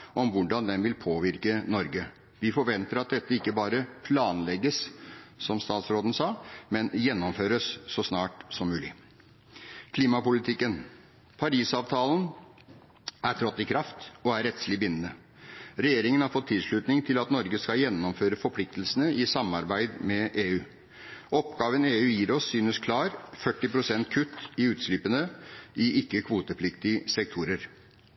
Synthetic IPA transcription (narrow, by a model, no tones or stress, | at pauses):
ʔɔmʋʊɖɑnd̪ɛnʋɪlpʰoːʋɪɾkənɔɾɡə | ʋɪfɔɾʋɛnt̪əɾɑt̪̚d̪ɛt̪ːəɪkːəbɑːɾəpʰlɑːnlɛɡːəssɔmst̪ɑːt̪sɾoːd̪n̩sɑːmɛnjɛnːɔmføːɾəsːɔsnɑːʈsɔmːʉːlɪ̰ | kʰliːmɑpʊlɪt̪ʰɪkːən | pʰɑɾiːsɑːʋt̪ʰɑːlən | ʔæɾʈ̪ʰɾɔt̪ːɪkʰɾɑft̪ɔæɾɛt̪slɪbɪnːənə | ɾɛjeːɾɪŋənhɑɾfɔt̪ʰːɪlʂɭʉːt̪nɪŋt̪ʰɪlɑt̪nɔɾɡəskɑjɛnːɔmføːɾəfɔɾpʰlɪk̚t̪lsənəʔɪsɑmɑɾbæɪd̪mɛʔeːʉː | ɔpɡɑːʋəneːʉːjiːɾɔsːyːnəskʰlɑːɾfœʈːɪpɾʊsɛnt̪kʰʉt̪ːɪʉːt̪sliːpənəʔɪʔɪkːəkʰʋuːt̪əpʰlɪkt̪ɪsɛk̚t̪ʰuːɾəɾ